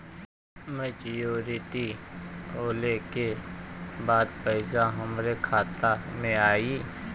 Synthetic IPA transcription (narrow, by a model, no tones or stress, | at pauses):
mət͡ʃjuːɾɪʈi | oːleke | baːd̪pəɪzaɦɐmɾekʰaːt̪amẽaːiː